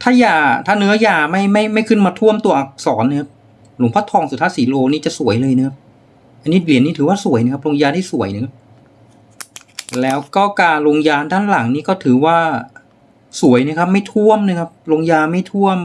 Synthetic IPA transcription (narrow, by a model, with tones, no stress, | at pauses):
t̪ʰaː˥˩jaː˨˩t̪ʰaː˥˩nɯ˦˥ɐjaː˧ma˥˩jma˥˩jma˥˩jkʰɯ˥˩nmaː˧t̪ʰu˥˩əmt̪u˧ɐʔa˨˧˩sɔː˩˦nːa˧kʰa˦˥p̚ | lo˨˩˦ŋpʰa˦˥t̪ʰɔː˧ŋsu˨˩t̪ʰa˦˥siː˨˩˦loː˧niː˦˥t͡ɕa˨˩su˩˦əjlɤː˧jna˧˥˩kʰa˦˥p̚ | ʔa˧nːiː˦˥li˨˩˦nːiː˦˥t̪ʰɯː˩˦waː˥˩su˨˩˦jna˧kʰa˥p̚lo˧ŋjaː˧nt̪ʰiː˥˩su˨˩˦əjna˧˩kʰa˦˥p̚ | lɛː˦˥wkɔː˥˩kaː˧nɾo˧ŋjaː˧ndaː˥˩nla˨˩˦ŋniː˦˥kɔː˥˩t̪ʰɯː˩˦waː˥˩ | su˨˩˦əjna˧˥kʰa˦˥p̚ma˥˩jt̪ʰu˥˩əmna˧˥kʰa˦˥p̚lo˧ŋjaː˧ma˥˩jt̪ʰu˥˩əm